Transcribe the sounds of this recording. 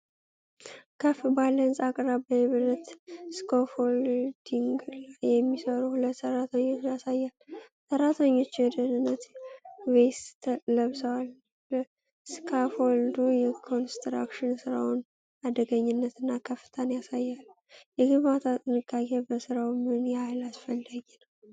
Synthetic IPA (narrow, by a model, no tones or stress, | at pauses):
kʰəfbalənsakʼɾabəɛβɨɾət̪skʰofold̪iŋɡjɛmːisəɾuhulət̪ːsərːat̪ʰəɲːot͡ʃjasajːalsəɾːat̪ʰəɲːo̞t͡ʃːwɛd̪ənɨnːət̪west̪ʰələβsəwal | bə | skʰafold̪ujɛkʰo̞nst̪ɾa̰kʃɪnsɨɾawʊn | ad̪əɡəɲːɪnːət̪ɨnːakʰəfːɨ̥t̪ʰənjasajːalː | jɛɡɨmat̪ʰat̪ʼɨnɨkʼːakʰʼebəsɨɾawmɨnjɛhajlasfəlːəɡinəw